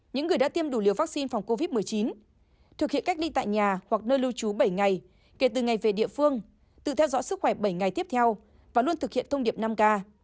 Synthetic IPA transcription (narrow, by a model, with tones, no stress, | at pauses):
ɲɨ̰˧˥ŋːɨ˨˩əjɗa̰ː˧˥t̪i˧əmɗu˧˩li˨˩əwva˦˥k̚si˧nfa˨˩wŋ͡mko˧vi˦˥t̚mɨ˨˩əjt͡ɕi˨˦n | t̪ʰɨ˨˩k̚ḭ˧ənka˦˥k̚lḭ˧˥t̪a̰ː˧˨jɲaː˨˩wa˨˩k̚nəː˧jlɨ˧wt͡ɕu˨˦ɓə˧˩jŋa˨˩j | ke˧˩t̪ɨ˨˩ŋa˨˩jve˨˩ɗḭ˧˨əfɨ˧əŋ | t̪ɨ̰˧˨t̪ʰɛ˧wzɔ̰˧˥sɨ˦˥k̚xwɛ˧˩ɓə˧˩jŋa˨˩jt̪i˦˥əp̚t̪ʰɛ˧w | vaː˨˩lu˧ənt̪ɨ˨˩hḭ˧˨ənt̪ʰə˧wŋ͡mɗi˨˩əp̚na˧mkaː˧